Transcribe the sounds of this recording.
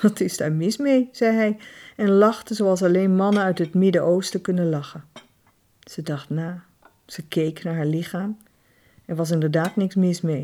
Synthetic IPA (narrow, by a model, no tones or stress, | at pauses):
ʋɑtʰɪzda̰ːɹmɪsmejz̥ɛjɦɛjɛnlɑχtəzoɑlˠs̬ɑlejnmɑnəœɥtɦətmɪdəʔowstəkɵnəlɑχən | z̥ədɑχtnaː | z̥əkejknaːɹɦaːɹlɪχaːm | ɛɹʋɑs̬ɪndəɹdaːtnɪksmɪsmej